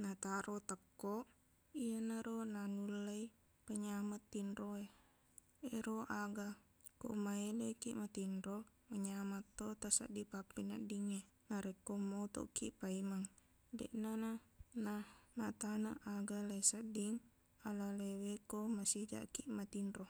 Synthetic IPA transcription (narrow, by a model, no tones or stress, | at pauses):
nat̪aɾot̪əkːoʔ | ijanaɾonanulːai | pəɲamat̪ːinɾoe | eɾoʔaɡa | ko̰ʔmaelekiʔmat̪inɾo | məɲamat̪ːot̪asa̰ʔdipapːina̰ʔdiŋe | naɾekːomot̪ɔ̰ʔkiʔpaimaŋ | dḛʔnananamat̪anaʔaɡalaisaʔdiŋ | alalewekomasid͡ʒa̰ʔkiʔmat̪inro